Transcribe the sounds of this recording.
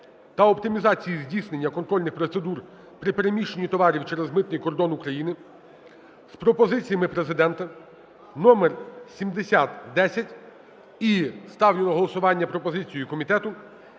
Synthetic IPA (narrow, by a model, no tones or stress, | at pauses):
t̪ɐɔpt̪ɪmʲizɑt͡sʲijizʲdʲisne̞nʲːɐkɔnt̪ɾɔlʲnɪxpɾɔt̪se̞d̪ur | pɾɪpe̞ɾemʲiʃenʲːit̪ɔʋɑɾʲiwt͡ʃɛɾezmɪt̪nɪjkɔrd̪ɔnukɾɐjinɪ | spɾɔpɔzɪt͡sʲijɐmɪpɾezɪd̪ɛnt̪ɐ | nɔmersʲimd̪esʲat̪d̪ɛsʲɐtʲ | ist̪ɑwlʲɪnɔɦɔlˠɔsʊʋɑnʲːɐpɾɔpɔzɪt͡sʲijikɔmʲit̪ɛt̪ʊ